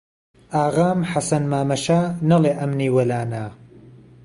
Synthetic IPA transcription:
aːɣaːmħasɐnmaːmɐʃaːnɐlˠeːʔɐmniːwɐlaːna

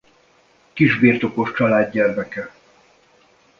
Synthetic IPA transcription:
kiʒbirt̪o̞ko̞ʃt͡ʃɒlaːdːɛrmɛkɛ

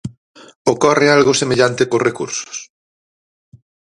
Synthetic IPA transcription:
okɔrealɣʊsemeʎant̪ekorekṵɾsʊ̥s

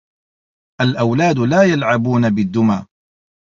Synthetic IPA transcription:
ʔalʔawlaːd̪laːjalʕabuːnabɪd̪ːʊmaː

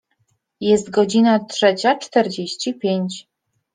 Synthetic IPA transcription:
jɛst̪ɡɔd͡ʑinatʂɛt͡ɕat͡ʂt̪ɛɾd͡ʑeɕt͡ɕipʲjeɲt͡ɕ

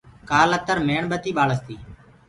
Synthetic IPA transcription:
kaːlət̪əɾmeːɳɓət̪iːɓaːləst̪iː

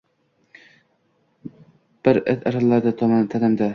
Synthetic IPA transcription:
b̥ɪɾet̪aɾllːaɾd̪at̪ʰɒmant̪ʰanɪmd̪a

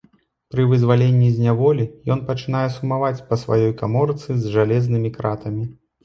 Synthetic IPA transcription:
pɾɨvɨzvalʲenʲːizʲnʲavɔlʲijɔn̪pɐt͡ʂɨnajɛsumavat͡sʲpɐsva̰jɔjkamɔɾɨt̪sɨzʲʐalʲɛznɨmʲikɾat̪ɐmʲi

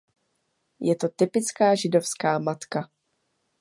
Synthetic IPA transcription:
jɛt̪o̞t̪ɪpɪt͡skaːʒɪdo̞fskaːmat̪ka

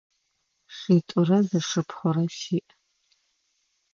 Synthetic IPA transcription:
ʂitʷʼʊrɐzɐʂɨpʰχʷɔɾɐʃiːʔ

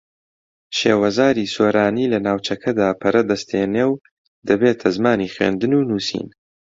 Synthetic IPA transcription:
ʃeːwɐzaːɾiːsoːɾaːniːlɐnaːwt͡ʃʰɐkʰɐd̪aːpʰɐɾɐd̪ɐst̪ʰeːneːw | d̪̥ɐbeːt̪ʰɐzmaːniːχɥḛːnd̪ɨnuːnuːsḭːn

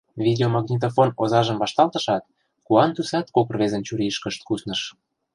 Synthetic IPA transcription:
vʲid̪eomɑɣnʲit̪̬ofonozɑʒə̆mβɑʃt̪ɑlt̪ɤ̥̆ʃɑt̪̚ | kuɑnt̪usɑt̪kokrβezə̆nt͡ɕuɾiʃkəʃt̪̚kusnə̆ʃ

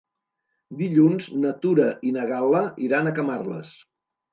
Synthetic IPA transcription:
d̪iʎunznət̪uɾəʔinəɣaləiɾanəkəmarlə̰s

